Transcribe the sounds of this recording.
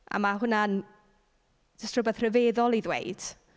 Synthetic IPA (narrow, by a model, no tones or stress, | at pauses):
ʔa̰maɦʊnan | d̥əstrʊbɛðrəveːðɔlˠiðwḛɨd̥